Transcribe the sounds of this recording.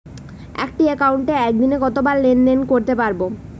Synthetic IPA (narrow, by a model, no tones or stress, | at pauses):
ɛ̰kʈiekawɳʈeɛk̚d̪ineɡɔt̪obaɾːenɖenkoɾt̪epaɾbo